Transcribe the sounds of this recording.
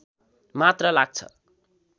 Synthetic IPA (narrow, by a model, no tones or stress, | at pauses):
mat̪rʌlaɡ̚t͡sʰʌ̰